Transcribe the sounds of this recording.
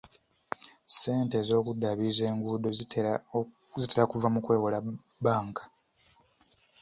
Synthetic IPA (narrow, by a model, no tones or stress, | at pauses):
se̞ːnte̞ːzo̞ːkudːaβize̞ːŋɡuːdo̞ | ziteɾakuvamukwe̞ːwola | baːŋkḁ